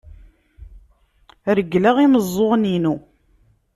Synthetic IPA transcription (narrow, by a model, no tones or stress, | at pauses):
ɾəɡlaʁiməzˤːoʁninu